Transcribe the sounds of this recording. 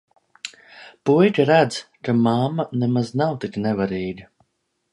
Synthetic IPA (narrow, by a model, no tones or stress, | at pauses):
pujtʲaɾæd̪zkamamːanɛmaznawt̪iknɛvaɾiːɡa